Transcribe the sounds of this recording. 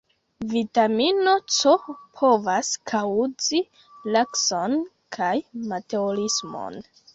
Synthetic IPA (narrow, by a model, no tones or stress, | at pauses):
vitamino̞t͡sopʰo̞vaskʰawzi | lakso̞n | kʰajmateolismo̰n